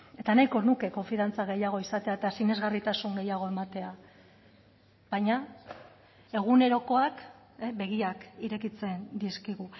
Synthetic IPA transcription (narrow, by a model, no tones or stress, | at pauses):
e̞t̪anajko̞nuke̞ko̞ɱfiðant͡saɣ̞e̞jaɣ̞o̞isat̪e̞aet̪asine̞zɣarit̪asuŋɡe̞jaɣ̞o̞e̞mat̪e̞a | β̥aɲa | e̞ɣ̞une̞ɾo̞ko̞ak | be̞ɣ̞iakiɾe̞kit͡se̞nd̪iskiɣu